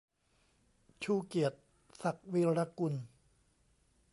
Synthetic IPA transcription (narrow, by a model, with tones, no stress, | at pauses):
t͡ɕʰuː˧˩ki˨˩ət̪̚ | sa˨˩k̚wiː˧ɾa˧ku˧n